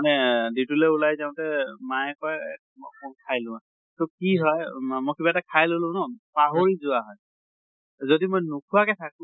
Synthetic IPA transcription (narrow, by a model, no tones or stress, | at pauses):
anɛditulɛulajzaʊ̃tɛmajɛkɔj | mɔkʰajlʊ̃a | tokiɦɔjmojkibaɛtakʰajlolʊ̃nɔpaɦoɹizʊaɦɔj | zodimojnukʰuakɛtʰakʊ̃